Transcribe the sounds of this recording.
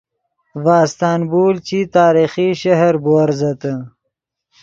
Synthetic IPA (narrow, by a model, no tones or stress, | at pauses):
vaːst̪aːnbuːlt͡ɕit̪aːɾiːxiʃɐɦɐɾbuɐɾzɐt̪ə